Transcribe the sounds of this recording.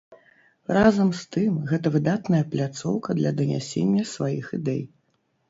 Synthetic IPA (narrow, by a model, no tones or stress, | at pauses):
razɐmst̪ɨmɣɛt̪ɐvɨd̪at̪nɐjɐplʲat̪sɔwkɐd̪lʲɐd̪ɐnʲa̰sʲenʲːɐsvajixid̪ɛj